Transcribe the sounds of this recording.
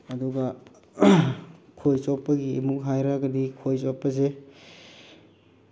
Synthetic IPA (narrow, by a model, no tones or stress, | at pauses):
ɐduɡɐ | kʰojsopːɐɡiːmuk̚ɦajɾaɡɐdikʰojsopːɐs̬e